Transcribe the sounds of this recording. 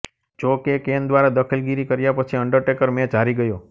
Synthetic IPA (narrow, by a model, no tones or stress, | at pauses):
d͡ʒokekend̪ʋaɾad̪əkʰilɡiɾikəɾjapət͡ʃʰiəɳɖəɾʈekəɾmẽt͡ʃaɾiɡəjo